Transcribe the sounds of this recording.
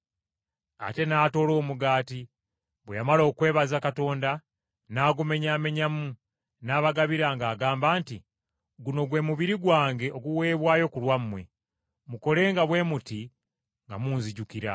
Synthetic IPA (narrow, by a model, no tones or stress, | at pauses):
a̰te̞naːto̞ːlo̞ːmuɡaːti | βwejamalo̞ːkwe̞ːβazakato̞ːnda | naːɡume̞ɲaːme̞ɲamu | naːβaɡaβiɾaŋɡaːɡaːmbaːnti | ɡuno̞ɡwe̞muβiɾiɡwaːŋɡe̞ʔo̞ɡuwe̞ːβwaːjo̞kulwamːwe̞ | muko̞le̞ːŋɡaβwe̞ːmuti | ŋɡa̰muːnziɟukiɾa̰